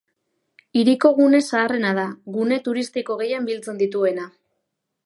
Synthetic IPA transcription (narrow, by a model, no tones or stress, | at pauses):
iɾiko̞ɣ̞une̞saːre̞nað̞aɣune̞t̪uɾist̪iko̞ɣe̞jambilt͡se̞nd̪it̪ue̞na